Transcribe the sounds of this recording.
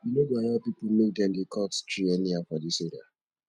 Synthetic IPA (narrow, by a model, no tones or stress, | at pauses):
junodeajapipumek̚dɛ̃mdekʰɔtstɹiɛniafɔdiseɾa̰